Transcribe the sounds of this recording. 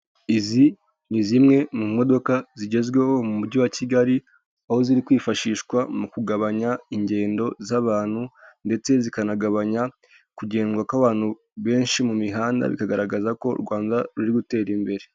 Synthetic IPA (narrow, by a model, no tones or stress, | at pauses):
izi | nizimŋe̞mumo̞do̞kaziɟe̞zɡwe̞ho̞mumuɾɟuwaciɡaɾi | aho̞ziɾikwiːfaʃiːʃkwamukuɡaβaɲaiɲɟe̞ːndo̞zaβaːn̥hunde̞t͡se̞zikanaɡaβaɲa | kuɟe̞ːnɡwakaβaːn̥hu | βe̞ːnʃimumiɦaːnda̰βḭkaɡaɾaɡazako̞̰ɾɡwaːndaɾuɾiɡute̞ːɾimbe̞ɾe̞